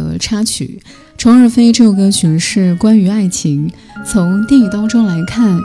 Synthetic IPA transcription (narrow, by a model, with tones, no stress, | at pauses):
ɤ̰˧˥ʈ͡ʂʰa˥t͡ɕʰy̰˨˩˦ | ʈ͡ʂʰʊ˧˥ŋə˞˥˧fe˥ɪʈ͡ʂɤ˥˩ɡə˩ɕy˨˧˥nʂɻ̩˥˩kwa˥ny˧˥a˥˩ɪt͡ɕʰi˧˥ŋ | t͡sʰʊ˧˥ŋt̪jɛ˥˧ŋi˥˩t̪ɑ˥ʊʈ͡ʂo˥ŋla˧˥ɪkʰa˥˩n